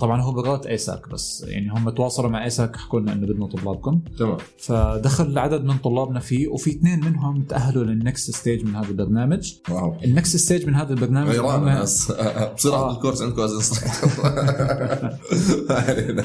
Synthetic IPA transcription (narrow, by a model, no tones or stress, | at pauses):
t̪ˤɑbʕɑnɦuːbɪɾɑːt̪ʔeːsa̰ːkba̰sːja̰ʕnihʊmːat̪wɑːsˤɑlumaʕʔeːsakħkuːnaʔɪ̰nːʊbɪd̪nut̪ˤʊlːɑːb̚kʊma̰ː | fad̪axalʕad̪ad̪mɪnt̪ˤʊlːɑːbnafiːwfit̪neːnmɪnɦʊmt̪aʔaɦːalulɪnːaksɪst̪eːd͡ʒmɪnhaːðalbɑɾˤnaːmad͡ʒʔɪnːaksɪst̪eːd͡ʒmɪnhaːðalbɑɾˤnaːmaaɾˤɑːmːaasbsˤiːɾʔaːɪlkʊɾsʕɪnd̪kʊmʔazɪns | halin